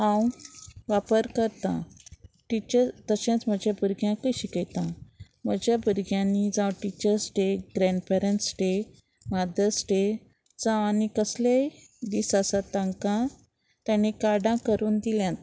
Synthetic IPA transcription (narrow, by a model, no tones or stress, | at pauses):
ɦãwʋapəɾkəɾt̪ã̰ʈit͡ɕəɾt̪əɕãt͡sm̤əd͡ʑjabəɾɡjãkəɕikəjt̪ã | m̤əd͡ʑjabəɾɡjãnid͡zãwʈit͡ɕəɾsʈeɡɾɛ̃ɳɖpɛɾəɳʈsʈe | mad̪əsʈe | t͡sãanikəslej | d̪isasat̪ãŋkã | t̪jãñikaɽãkəɾuːnd̪iljãt̪